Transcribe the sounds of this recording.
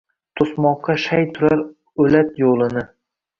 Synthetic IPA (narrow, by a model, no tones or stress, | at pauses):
t̪ʰosmɒqʰːɑʃajt̪ʰʊɾaɾ | ɵlat̪jolˠɪnɪ